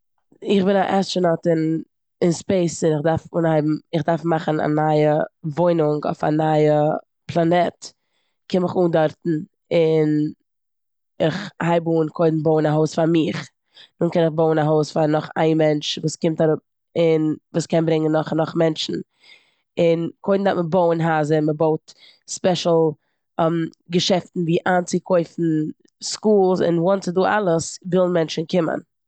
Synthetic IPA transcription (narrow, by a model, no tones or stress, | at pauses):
ɪχbɪnaʔɛst͡ʃənɔtɪn | ɪnspeɪsɪnɪχdaɾfuːnhaɪbm̩ɪχdaɾfmaχn̩a̰naɪəvoɪnʊŋɡo̰ɪfa̰naɪə | pʰlˠanɛt | kʰɪnmɪχuːndɔɾtn̩ | ɪn | ɪχhaɪbuːnkʰoɪdn̩boʊnaɦoʊsfaɾmɪχ | nuːnkɛnɪχboʊnaɦoʊsfaɾnɔχa̰ɪnmɛnt͡ʃvuːskɪmtaɾʊp̚ | ɪnvuːskɛnbɾɪŋənːɔχnɔχmɛnt͡ʃn̩ | ɪnkʰoɪdn̩daməboʊənɦaːzəməboʊt | spɛʃl̩ˠ | mɡəʃɛftn̩viːʔaːnt͡sɪkʰɔɪfn̩ | skuːlˠsɪ̰nwɔntt͡sɪduːʔa̰lˠəsvɪlˠn̩mɛnt͡ʃn̩kɪmə̰n